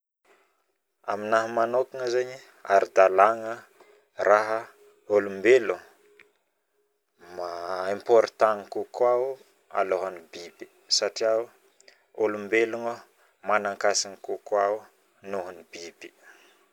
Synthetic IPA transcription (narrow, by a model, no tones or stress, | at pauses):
a̰minaɦəmanokiŋəzeɲi | a̰ɾid̪alaŋə | raɦə | olumbelu | maimpoɾt̪aŋkukwa | a̰loɦanibibi̥ | saʈ͡ʂiaw | olumbeluŋə | manaŋkasiŋkukwaw | nuɦunibibi̥